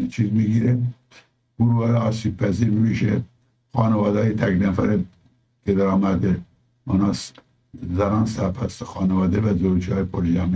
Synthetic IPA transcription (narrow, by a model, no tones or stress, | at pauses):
t͡ʃʰiːzmiɡiːɾe | ɡ̥uɾvɑːɾeɑːsiːb̚pʰæziːɾuiʃe | xɑːnevɑːd̪ɑːjet̪ʰæknæfæɾe | ked̪æɾɑːmæd̪e | unɑs | zæɾɑːnsæɾpʰæsxɑːnevɑːd̪evæzoɾd͡ʒʰɑːjepʰoɾd͡ʒæmi